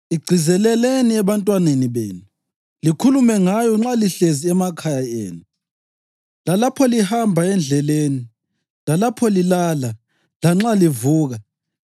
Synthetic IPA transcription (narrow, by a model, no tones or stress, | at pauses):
iɡ͡ǀʱizɛlɛleniɛβantʼwaneniβḛːnuu | likʰulumɛŋajɔŋ͡ǁaliɬeziɛmakʰajaḛːnu | lalapʰɔlihambʱaɛnd͡ɮʱɛleːni | lalapʰɔlilaːla | laŋ͡ǁalivuːɣa